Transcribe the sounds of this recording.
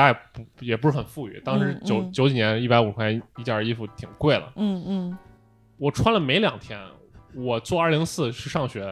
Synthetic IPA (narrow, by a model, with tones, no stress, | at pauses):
a˥ɛ˨˩pjɛ˨˩pu˧˥ʂɻ̩˥˩xə˨˩nfu˥˩y̰˨˩˦t̪ɑ˥ŋʂɻ̩˧˥t͡ɕjo˧˥ʊt͡ɕjo˧˥ʊt͡ɕi˨˩njɛ˧˥ni˥˩pa˧˥ɪu˨˩kʰwa˥i˥˩t͡ɕja˞˥˧i˥fu˨˩t̪ʰi˨˩ŋkwe˥˩ɪlə̰˩˥˩ | wɔ˨˩ʈ͡ʂʰwa˥nlə˨me˧˥ɪljɑ˨˩ŋt̪ʰjɛ̰˥n | wɔ˨˩t͡swɔ˥˧ɐ˞˥˩li˧˥ŋsɹ̩˥˧ʂɻ̩˥˧ʂɑ˥˩ŋɕɥɛ˧˥